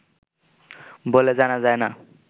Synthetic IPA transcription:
boled͡zanad͡zajna

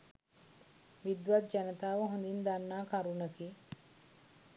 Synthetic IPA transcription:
ʋid̪ʋat̪̚d͡ʒanət̪aːʋəɦũnd̪ind̪anːaːkaɾunəki

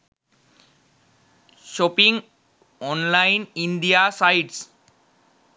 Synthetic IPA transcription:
ʃopiŋ | ɔnlajninɖ̪ijasajʈs

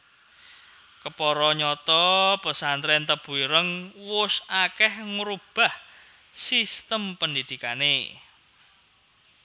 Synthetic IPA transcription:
kəpɔɾɔɲɔt̪ɔbə̤sant̪ɾɛnt̪əb̥ṳiɾəŋwʊsakɛhŋɾub̥a̤h | sist̪əmpənd̪id̪̥i̤kane

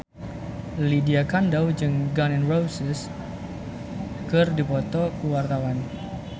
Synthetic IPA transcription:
lidiakandawd͡ʒɨŋɡanɛnrowsɛs | kɨrdipɔt̪ɔkuwart̪awan

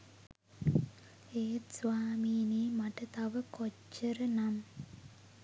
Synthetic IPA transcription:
eːsʋaːmiːneːmaʈət̪aʋəkot͡ʃːəɾənam

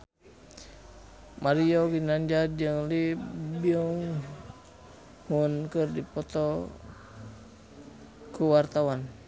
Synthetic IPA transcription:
maɾiɔɡinaɲd͡ʒad͡ʒəŋlibiɔŋ | hunkɨrdipɔt̪ɔ | kuwart̪awan

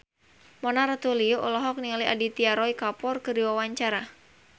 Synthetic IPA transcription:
mɔnaɾat̪ulioʔɔlɔɦɔk̚nialaʔadit̪iaɾɔikapɔrkɨdiwawaɲt͡ʃaɾa

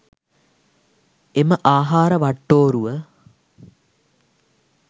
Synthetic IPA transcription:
eməʔaːɦaːɾɐʋɐʈːoːɾuʋə

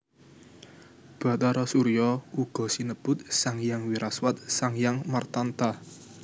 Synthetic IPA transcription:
b̥a̤t̪aɾɔsuɾijɔuɡ̥ɔ̤sinəb̥ʊ̤t̪̚saŋjaŋwiɾaswat̪̚saŋjaŋmərt̪ant̪a

